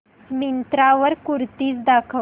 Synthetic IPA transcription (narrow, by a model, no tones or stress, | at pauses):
mint̪ɾaʋəɾkuɾt̪iːt͡sd̪akʰə